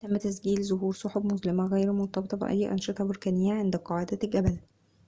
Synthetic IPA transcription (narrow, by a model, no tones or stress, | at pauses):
t̪æmːt̪æsɡiːlzoɦuːɾsˤoħobmʊzlɪmæɣæjɾmont̪ˤɑbet̪ˤɑbḛʔæ̰jːʔɑ̰nʃet̪ˤɑboɾkæːnejːæʕend̪æqɑːʕed̪æɡæbæl